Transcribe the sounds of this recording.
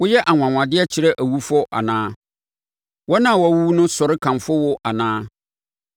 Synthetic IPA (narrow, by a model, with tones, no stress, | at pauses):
wʊ˦jɛ˦ʔa˨ŋʷ˨ã˨ŋʷã˨dɪ˦ɛ˦t͡ɕʰɪ˨ɾɛ˦ʔæ˨wu˦fɔ˦ʔa̰˨nãː˦ | wɔ˦nã˨wɔ˨˦˨wu˦wu˦nʊ̃˦sɔ˨ɾɪ˦kʰã˨mfʊ˦wʊ˦ʔa˨nãː˦